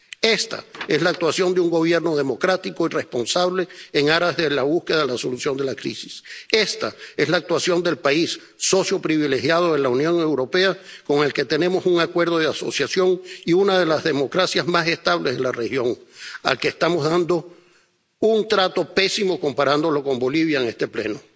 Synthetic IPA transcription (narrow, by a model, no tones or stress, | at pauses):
e̞st̪a̰e̞zlaːk̚t̪wasjo̞nd̪euŋɡo̞β̞je̞ɾno̞ðe̞mo̞kɾat̪iko̞ire̞spo̞nsaβle̞ːŋaɾazðe̞laβ̞uskeðaðelaso̞lusjo̞nd̪e̞lakɾḭsi̥se̞st̪ae̞zlaːk̚t̪wasjo̞nd̪e̞lpaisː | o̞sjo̞pɾiβile̞xjað̞oelaunjo̞ŋe̞wɾo̞pe̞akoŋe̞lke̞t̪e̞ne̞mo̞suŋakwe̞ɾðo̞ð̞easo̞̰sjasjo̞ŋiunað̞e̞lazðe̞mo̞kɾasjazmase̞st̪aβlezðelarexjo̞ŋa̰lkeːst̪amo̞zðand̪o̞ | unt̪ɾat̪o̞pe̞simo̞ko̞mpaɾand̪o̞lo̞ko̞mbo̞liβ̞jaeŋe̞st̪e̞ple̞̰no̞